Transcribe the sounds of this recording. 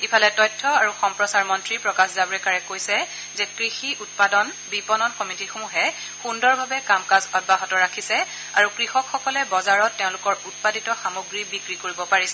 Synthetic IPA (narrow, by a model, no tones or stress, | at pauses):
ipʰalɛtɔjtʰːɔaɹuxɔmpɹɔsaɹmɔntɹipɹɔkaszabɔɹɛkaɹɛkojsɛ | zɛkɹixiʔut̚padɔn | bipɔnɔnkɔmitixomuɦɛ | xundɔɹbʱabɛkamkazɔt̚baɦɔtɔɹakʰisɛ | aɹukɹixɔkxɔkɔlɛbɔzaɹɔtːeʊ̃lʊkɔɹut̚paditɔxamoɡɹibikɹikoɹibɔpaɹisɛ